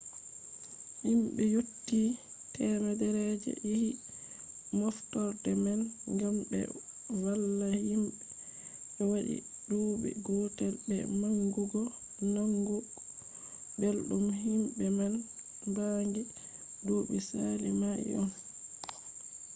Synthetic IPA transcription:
himɓɛjotːi | tɛmadɛɾɛd͡ʒɛ̰ʔihi | mɔftɔɾtɛmanŋɡambɛ̰ | walːahimɓɛ | ɓɛwaɗḭdoɓḭɡɔtɛlɓɛ̰maŋɡuɡɔ | naŋɡu | belɗumɦimbɛman | ndaŋɡi | doɓisalimaʔḭʔɔn

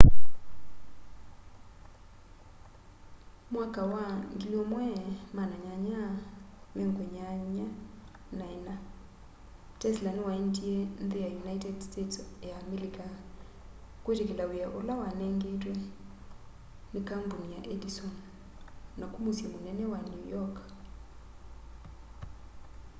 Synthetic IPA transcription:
mwakawaŋɡilɔmwɛmanaɲaɲa | meŋɡwɛɲaɲa | naɛna | tɛslandwaendiɛnðejajunaitɛdstetsjamelika | kwetekelawejaʔolawanɛŋɡetwɛ | nekambonijaʔɛdisɔn | nakumosjɛmonɛnɛwanjujɔk

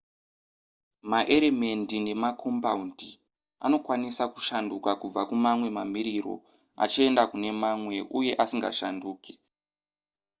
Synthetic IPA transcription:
maʔe̞ɾeme̞ndine̞makʰo̞mpaundi | ano̞kwanisaku̥ʃandukakub͡vakumamwe̞mamiɾiro̞̰ | a̰t͡ʃie̞ndakune̞mamwe̞ʔuje̞ʔasiŋɡa̰ʃanduːkʰe̥

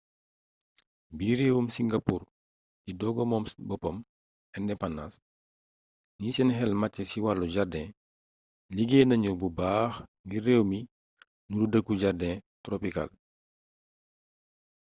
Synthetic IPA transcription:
biɾɛːwumsiŋɡapuːr | cidɔɡɔmɔːmsbɔpɔm | ɛndɛpanːas | niːsɛnɦɛlmacːɛsiwaluɟardɛ̃ | liɡeːnɐɲububaːxɡirrɛːwmi | nuɾudəkːuɟardɛ̃ːtɾɔpika̰l

